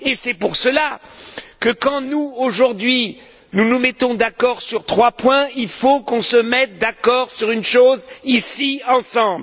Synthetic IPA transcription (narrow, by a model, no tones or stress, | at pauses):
esɛpuʁsəlakəkɑ̃nuoʒuʁd̪ɥi | nunumɛt̪ɔ̃d̪akɔʁsyʁt̪χwapwɛ̃ilfokɔ̃səmɛt̪̚d̪akɔʁsyʁynʃozisiɑ̃sɑ̃bl